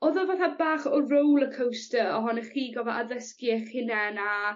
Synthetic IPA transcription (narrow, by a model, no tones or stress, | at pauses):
ɔðɔvaːθabaːχɔrowlˠəkʰəwstəɔɦɔnəχiːɡɔvɔʔaðəskiɛχhɪnɛna